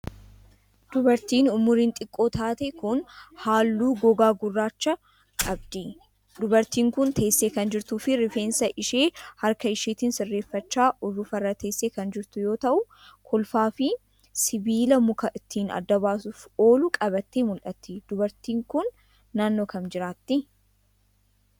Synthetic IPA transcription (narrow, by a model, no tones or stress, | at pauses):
d̪ʊbɐɾt̪iːnʊmʊɾiːnt̪ʼɪkʼːo̞ːt̪aːt̪ekʊnhaːlːuːɡɔɡaːɡʊrːaːt͡ʃːɐ | kʼɐbd̪ɪ | d̪ʊbɐɾt̪iːŋkʊnt̪ʰe̞ːsːeːkɐnd͡ʒɪɾt̪uːfɪɾɪfeːnsɐʔɪʃeːhɐɾkɐɪʃiːt̪insɪrːe̞ːfːɐt͡ʃːaːʔɔrːʊfɐrːɐt̪ʰe̞ːsːeːkɐnd͡ʒɪɾt̪ʊjo̞ːt̪ɐʔʊ | kʰɔlfaːfɪ | sɪbiːlɐmʊkɐʔɪt̪ʰːiːnɐ̰d̪ːɐβaːsʊfo̞ːlʊkʼɐβɐt̪ːeːmʊlʔɐt̪ːɪd̪̥ʊbɐɾt̪iːŋkʊnː | aːnːo̞ːkɐmd͡ʒɪɾaːt̪ːɪ